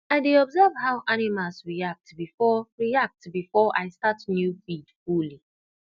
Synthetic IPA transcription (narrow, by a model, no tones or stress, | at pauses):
aɪdeɔbzɛvɦaʊʔanimalsɹiak̚tbifɔɹiak̚tbifɔʔaɪstatnjufid̥fuli